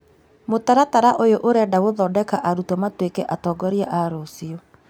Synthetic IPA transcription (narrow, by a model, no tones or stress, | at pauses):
motaɾataɾaʔojoʔoɾɛdawoðɔdɛkaʔaɾutɔmatwekɛʔatɔːɡɔɾiaʔaɾosio